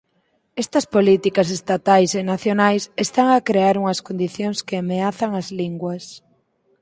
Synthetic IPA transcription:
ɛst̪ɐspolit̪ikɐs̬est̪at̪ajsenaθjonajsest̪aŋɐkɾeaɾuŋɐskond̪iθjoŋskeameaθɐŋɐzliŋɡwɐs

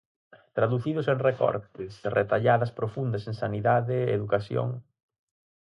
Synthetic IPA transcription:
t̪ɾaðuθiðʊsẽŋrekɔ̰ɾt̪ɪsret̪aʎaðɐspɾofund̪ɐsẽŋsaniðaðɪeðukasjo̰ŋ

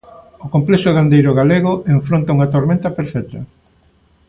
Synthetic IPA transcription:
okomplɛʃʊðand̪ejɾʊɣaleɣoeɱfɾont̪auŋat̪oɾmẽnt̪ɐpeɾfɛt̪ɐ

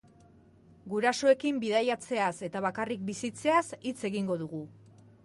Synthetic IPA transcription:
ɡuɾasoe̞kimbiðajat͡se̞ase̞t̪aβ̞akarik̚bisit͡se̞asit͡se̞ɣiŋɡo̞ðuɣ̞u

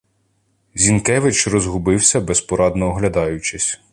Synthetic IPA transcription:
zʲinkɛʋɪt͡ʃrɔzɦʊbɪwsʲɐbɛspɔɾɑd̪nɔːɦlʲɐd̪ɑjʊt͡ʃɪsʲ

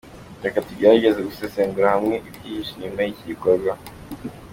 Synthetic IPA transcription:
akatiɟeɾaɟezeɡuseseŋɡuɾahamŋeʔivɟihiʃiimaicikoɡwa

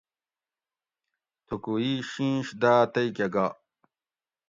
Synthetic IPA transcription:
t̪ʰukuiɕĩːɕd̪aːt̪ɐjkɐɡa

